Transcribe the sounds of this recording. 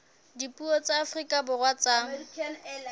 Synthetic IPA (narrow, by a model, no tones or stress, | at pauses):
dipʼuɔt͡saːfrikʼabʊrwat͡saːŋ̩